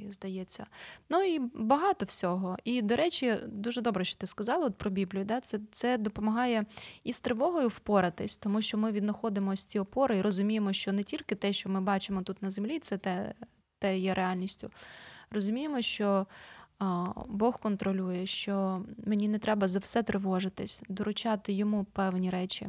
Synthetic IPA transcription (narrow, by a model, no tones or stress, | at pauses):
zd̪ɐjɛt͡sʲːɐ̰nuibɐɦɑt̪ɔwsʲɔɦɔid̪ɔɾɛt͡ʃʲid̪uʒɛd̪ɔbɾɛʃt͡ʃɔ̥t̪ɪskɐzɑlˠɐɔt̪̚pɾɔbʲiblʲijʊd̪ɑt̪sɛt̪sɛd̪ɔpɔmɐɦɑjɛist̪ɾeʋɔɦɔjʊwpɔɾɐt̪ɪsʲt̪ɔmuʃt͡ʃɔmɪʋʲid̪nɐxɔd̪ɪmɔsʲtʲiɔpɔɾɪiɾɔzʊmʲijemɔʃt͡ʃɔnɛtʲilʲkɪt̪ɛʃt͡ʃɔmɪbɑt͡ʃɪmɔt̪ut̪nɐzemlʲit̪sɛt̪ɛ | t̪ɛjɛɾʔeɑlʲnʲisʲtʲʊ̰rɔzʊmʲijemɔʃt͡ʃɔ | bɔxkɔnt̪ɾɔlʲujɛʃt͡ʃɔmenʲinɛt̪ɾɛbɐzɐwsɛt̪ɾɪʋɔʐɪt̪ɪsʲd̪ɔɾʊt͡ʃɑt̪ɪjɔmupɛwnʲiɾɛt͡ʃʲḭ